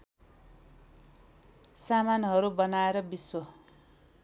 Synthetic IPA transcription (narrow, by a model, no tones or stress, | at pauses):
samanɦʌɾubʌnaeɾʌbiswʌ